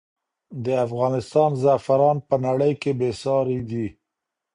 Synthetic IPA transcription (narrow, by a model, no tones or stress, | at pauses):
d̪əafɣɑnɪst̪ɑnzafaɾɑnpənaɽəjkebesɑɾed̪i